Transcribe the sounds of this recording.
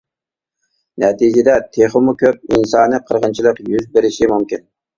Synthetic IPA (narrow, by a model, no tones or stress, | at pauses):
nɛt̪ʰid͡ʒɪd̪ɛt̪ʰeχʊmukʲʰøp̚insɑːnɨqʰəɾʁənt͡ʃʰilˠəqjyzbeɾɪʃimumkʲin